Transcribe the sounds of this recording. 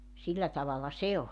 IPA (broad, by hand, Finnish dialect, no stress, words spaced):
silːæ tɑʋɑlɑ se olʲ